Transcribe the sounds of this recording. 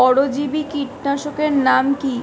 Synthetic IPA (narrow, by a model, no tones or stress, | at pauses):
ɔɽod͡ʑibikiʈnaʃokeɾnamki